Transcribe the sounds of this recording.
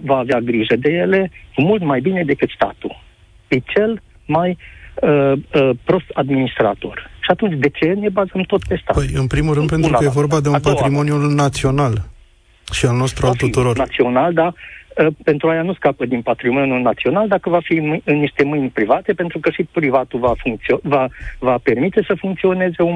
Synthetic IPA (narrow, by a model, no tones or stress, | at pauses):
vaːveaɡɾiʒəd̪e̞je̞le̞kumult̪majbine̞d̪e̞kɨt̪st̪a̰t̪ṵ | jet͡ʃe̞l | majəəpɾo̞st̪ad̪minist̪ɾa̰t̪o̞̰rʃiat̪unt͡ʃʲd̪e̞t͡ʃe̞ne̞bazəmt̪o̞t̪pe̞st̪a̰pəjɨnpɾimulɾɨnd̪pe̞nt̪ɾukəjevo̞rbad̪eunpat̪ɾimo̞njulnat̪sio̞nal | ʃialno̞st̪ɾuaalt̪ut̪uɾo̞rat̪sio̞nald̪aəpe̞nt̪ɾuajanuskapəd̪inpat̪ɾimonjulnat̪sio̞nald̪akəvafimɨɨnniʃt̪e̞mɨjnʲpɾivat̪e̞pe̞nt̪ɾukəʃipɾivat̪ulvafuŋkt̪siovavape̞rmit̪e̞səfuŋkt̪sio̞ne̞ze̞u